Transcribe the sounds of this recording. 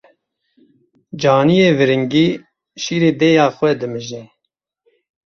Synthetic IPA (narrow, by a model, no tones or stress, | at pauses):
d͡ʒaːnijeːvɨɾɨŋɡiː | ʃiːɾeːd̪eːjaːxʷwɛd̪ɨmɨʒɛ